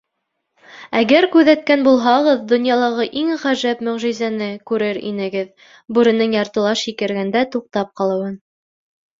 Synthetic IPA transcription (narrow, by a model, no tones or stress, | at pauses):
æɡæɾkʉðæt̪̚kænbulˠɦɑʁɤðd̪ŏnjɑlˠɑʁɤʔiŋʁæʒæpmɵ̆ʁʒizænɘkʉɾɘɾḭnɘ̆ɡɘð | bʉɾɘ̆nɘŋjɑɾt̪ɤ̆lˠɑʃikɘ̆ɾɡænd̪æt̪uq̚t̪ɑp̚qɑlˠɤ̆wɤn